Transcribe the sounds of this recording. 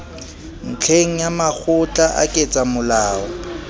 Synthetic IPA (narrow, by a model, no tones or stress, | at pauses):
n̩t͡ɬʰeŋ̩jamak͡xʰʊt͡ɬʼaʔa̰kʼet͡sʼamʊlaːɔ